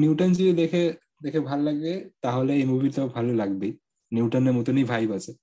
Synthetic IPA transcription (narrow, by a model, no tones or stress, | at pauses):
njuutɔnzid̪ɛkʰɛ | d̪ɛkʰɛbʱalːaɡbɛtaɦolɛemubʱitɔbʱalelaɡbe | njuwtɔnɛmutɔnibʱajbasɛ